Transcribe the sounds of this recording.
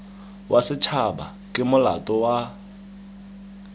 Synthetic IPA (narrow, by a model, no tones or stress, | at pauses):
wʔasɪt͡ʃʰaba̰ | kʼɪmʊla̰tʼɔwa